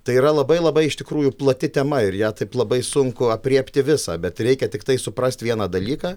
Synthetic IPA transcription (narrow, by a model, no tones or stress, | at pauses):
t̪ɐɪiːɾɐlˠɐbɐɪlˠɐbɐɪɪʃt̪ʲɪkɾuːjʊplˠɐt̪ʲɪt̪ʲɛmɐɪɾjæːt̪ɐɪplˠɐbɐɪsʊŋkʊɐpʲrʲiɛpʲt̪ʲɪʋʲɪsɑ̰ːbʲɛt̪ɾʲɛɪkʲɛt̪ʲɪkt̪ɐɪsʊpɾɐsʲt̪ʲʋʲiɛnɑːd̪ɐlʲiːkɑː